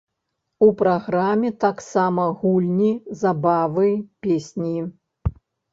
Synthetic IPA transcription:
upɾaɣɾamʲːɛt̪aksamɐɣulʲnʲizabavɨpʲesʲnʲiji

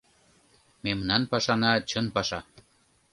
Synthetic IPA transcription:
memnɑnpɑʃɑnɑt͡ɕənpɑʃɑ

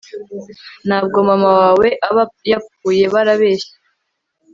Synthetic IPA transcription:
n̥haːb̚ɡo̞mamawaːwe̞ʔjap̚uːje̞βaɾaβe̞ːʃe̥

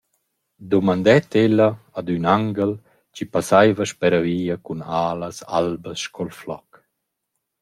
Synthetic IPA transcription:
d̪ɔmand̪ɛt̪elaad̪ynaŋɡəl | t͡ʃipasajvəʃpɛɾaviːakunaːləsa̰lbəsʃkʰɔlflɔk

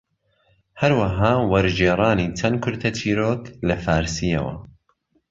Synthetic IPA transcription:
hɐɾwɐɦaːwɐɾd͡ʒeːɾˤɑːnit͡ʃʰɐnkʰʊɾt̪ʰɐt̪ʰiːɾoːtlɐfaːɾsijɐ̰wɐ̰

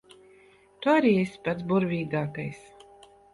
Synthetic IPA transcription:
t̪uaɾiːesʲpat̪sbuɾvʲiːɡaːkajs

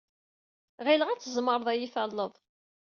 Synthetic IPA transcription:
ʁiləʁæt͡sːəzˤməɾˤəðˤæjifælːəðˤ

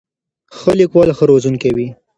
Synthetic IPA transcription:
xəlikwɑlxəɾozuŋkewi

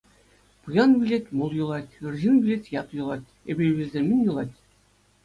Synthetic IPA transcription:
pɯjɑnbʲilʲetʲmolˠjŭlˠɑtʲɯrʑinbʲilʲetʲjɑt̪jŭlˠɑt̪ʲ | ebʲeβʲelʲzʲemʲinʲjulˠɑtʲ

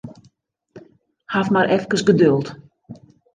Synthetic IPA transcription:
hafmaɾʔɛfkəsɡədølˠt

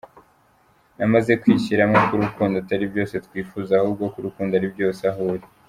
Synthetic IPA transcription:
namaze̞kwiːçiɾamŋokuɾukuːndataɾibjo̞ːse̞tkwiːfuzahuːb̚ɡo̞kuɾukuːndaɾibjo̞ːsaɦoɾi

